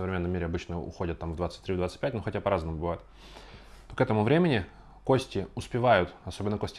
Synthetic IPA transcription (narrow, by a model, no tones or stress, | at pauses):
səvɾʲɪmʲenːəmʲːiɾʲɪɐbɨt͡ɕnəʊ̰xo̞dʲət̪ːamvd̪vat̪sə̥tʲt̪ɾʲivd̪vat̪sɨ̥t̚ʲpʲætʲnoxɐtʲapɐɾaznəmʊbɨvajʊt̪ | t̪o̞kɛt̪əmʊvɾʲemʲɪnʲɪ | ko̞sʲtʲɪʊspʲɪvajʊt̪ɐso̞bʲɪnːəkosʲtʲ